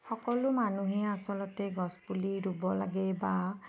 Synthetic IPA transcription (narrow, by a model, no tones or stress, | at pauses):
xɔkɔlʊmanuɦɛasɔlɔtɛɡɔspuliɹubɔla̰ɡɛba